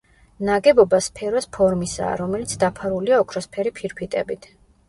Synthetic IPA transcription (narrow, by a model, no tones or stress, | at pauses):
naɡɛbɔbaspʰɛɾɔspʰɔɾmisa̰ːɾɔmɛlit̪sʰd̪apʰaɾuliaɔkʰɾɔspʰɛɾipʰiɾpʰit̪ʼɛbit̪ʰ